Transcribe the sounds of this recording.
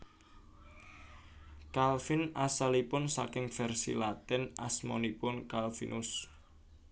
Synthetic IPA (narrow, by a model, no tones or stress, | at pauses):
kalfinasalipʊnsakɪŋfɛrsḭlat̪ɛnʔa̰smɔ̰nipʊnkalfḭnʔʊs